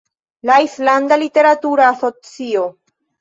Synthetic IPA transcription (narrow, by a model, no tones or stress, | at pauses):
laislandalite̞ɾatuɾaːso̞t͡sio̞